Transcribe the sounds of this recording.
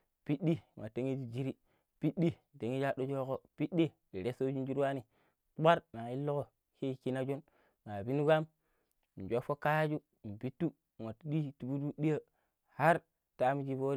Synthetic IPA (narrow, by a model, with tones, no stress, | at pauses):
pi˦ɗdi˦˨ŋʔa˨te˦ŋi˦d͡ʒi˦d͡ʒi˦ɾi˦ | pi˦ɗi˦˨te˨ŋi˦d͡ʒa˦ɗo˦d͡ʒo˦ko˦pi˦ɗi˦ | i˨ɾe˦so˦d͡ʒu˦n˦d͡ʒu˦ɾwa˦ni˨˦ | ɓa˦ɾna˨i˦lːo˦ko˨ | ki˦˨ki˦na˦d͡ʒu˦n | ŋa˨bi˦nu˦ɡa˦m | n̩˨d͡ʒo˦fo˦ka˦ja˦d͡ʒu˦˨m̩˨bi˦tːu˦˨ | ŋa˨tɗi˦tu˨bu˦tu˦ɗi˦ja˦ | ha˦ɾ | ta˦mi˦d͡ʒi˦bo˦